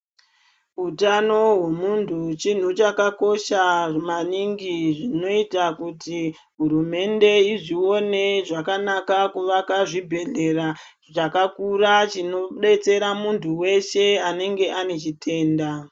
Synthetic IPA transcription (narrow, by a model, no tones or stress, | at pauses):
ɦutano̞we̞muntʰut͡ʃin̤ut͡ʃakako̞ʃaʐmaniŋɡiʐino̞itakuti | ɦuɾume̞nde̞iʐio̞ne̞ʐakanakakuʋakaʐibʱe̞ɮe̞ra | t͡ʃakakurat͡ʃino̞ɓe̞t͡se̞ɾamuntʰuwe̞ʃe̞ane̞ŋɡe̞ʔane̞t͡ʃitʰe̞ːnda